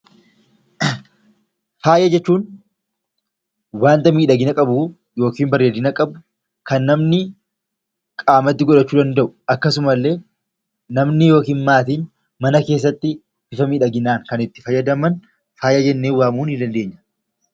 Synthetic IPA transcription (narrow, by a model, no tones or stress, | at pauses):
faːjʔɐd͡ʒɛt͡ʃːuːn | waːnt̪ɐmiːᶑɐɡɪnɐkʼɐbu | jo̞ːkiːmbɐɾeːd̪ɪnɐkʼɐbʊ | kɐnːɐmnɪ | kʼaːmɐt̪ːɪɡɔᶑɐt͡ʃːuːd̪ɐnd̪ɐʔʊɐkːɐsʊmɐlːe̞ː | nɐmnɪjo̞ːkiːnmaːt̪̬iːn | mɐnɐke̞ːs̬ːɐt̪ːɪ | bɪfɐmiːᶑɐɡɪnaːŋkɐnɪt̪ːɪ̥fɐjːɐd̪ɐmɐn | faːjʔɐd͡ʒɛnːeːwːaːmuːnɪd̪ɐnd̪e̞ːɲːɐ̥